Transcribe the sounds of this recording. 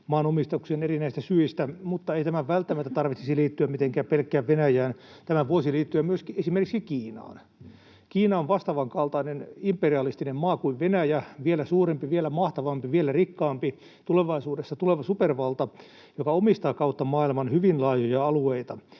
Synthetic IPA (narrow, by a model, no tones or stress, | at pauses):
mɑːnomist̪ɑksiːnerinæist̪æsyist̪æmut̪ːɑeit̪æmæʋʋælt̪ːæmæt̪ːæt̪ɑrʋit̪sisiliːt̪ːyæmmit̪eŋkæːppelkːˑæːʋʋenæjæːnt̪æmæʋuosiliːt̪ːyæmyøskiesimerkiksikiːnɑ̰ːn | kiːnɑoʋʋɑst̪ɑʋɑŋkɑlt̪ɑinenimperiɑlist̪inemmɑːkuiʋʋenæjæʋielæsuːrempiʋielæmɑht̪ɑʋɑmpiʋielærikːɑːmpi | t̪uleʋɑisuːdesːɑt̪uleʋɑsuperʋɑlt̪ɑ | jokɑomist̪ɑːkɑut̪ːɑmɑːilmɑnhyʋinlɑːjojɑɑlueit̪ɑ